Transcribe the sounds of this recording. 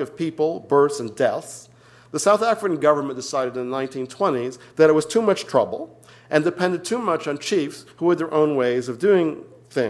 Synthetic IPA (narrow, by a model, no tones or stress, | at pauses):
ʌv̥pʰipl̩ˠbɜ˞tsɨ̃ndɛθs | ðəsaʊθæfɹɨkɨ̃n̩ɡʌvə˞mə̃nd̥ɨsaɪɾɨɾɨ̃n̩ðənãɪ̃ntʰĩntʰw̥ɛ̃ɾ̃izðɨɾɨt̚wʌz̥tʰʉmʌt͡ʃtʰɹ̥ʌbl̩ˠ | ʔɨ̃ndɨpʰɛ̃ndɨd̚tʰʉmʌt͡ʃn̩t͡ʃʰifshuwə˞ðə˞ʔõʊ̃nweɪzʌvdʉɪ̃ŋ | θɪ̃